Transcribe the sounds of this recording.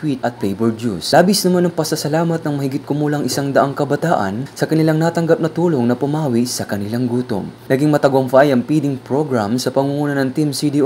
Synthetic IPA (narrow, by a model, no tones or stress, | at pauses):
t̪wit̪̚ɐt̪̚pejbɛɹdjuslaːbisnɐmanɐŋpɐsɐsɐlaːmɐt̪̚nɐŋmɐhɪɡɪt̪̚kʊmuːlɐŋʔɪsaŋd̪ɐʔaŋkɐbɐt̪aːʔɐ̰nsɐkɐnɪlaŋnaːt̪ɐŋɡɐp̚nɐt̪uːlo̞ŋnɐpʊmaːwisɐkɐnɪlaŋɡuːt̪o̰ŋnɐɡiŋmɐt̪ɐɡomfajɐŋpiːd̪ɪŋpɹo̞ɡɹamsɐpɐŋuŋuːnɐnɐŋt̪imsid̪iʔo